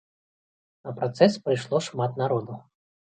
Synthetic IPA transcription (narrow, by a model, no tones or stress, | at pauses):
nɐpɾat̪sɛspɾɨjʂlˠɔʂmat̪naɾɔd̪u